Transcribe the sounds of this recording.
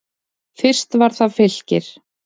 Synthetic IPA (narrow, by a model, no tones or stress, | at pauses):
fɪr̥st̪vaɾ̥θaðfɪl̥cɪɾ̥